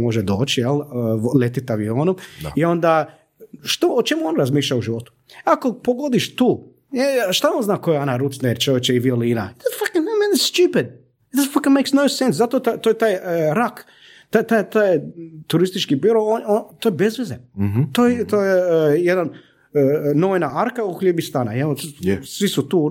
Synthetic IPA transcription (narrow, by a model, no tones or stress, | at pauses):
moʒed̪o̰ːt͡ʃijellet̪it̪aʋioːnumaio̞nd̪a | ʃt̪oːt͡ʃemuonɾazmiːʃʎʲauʒiʋo̞t̪u̥akopoɡod̪iʃt̪uː | eʃt̪aonznaːkojeonaɾut̪neɾt͡ʃojet͡ʃeiʋioliːna̰ɛt̪fakɪnemenɪst̪jupɪd̪̚ | ɛt̪fakɪ̃nmejksnoʊsẽnszat̪ot̪at̪ojet̪ajɾak | t̪at̪ajt̪ajt̪uɾist̪it͡ʃkibiɾoonot̪ojebezʋezent̪ojet̪ojejed̪an | noʋinaaɾkauxʎʲebist̪ana̰jeosʋisut̪uː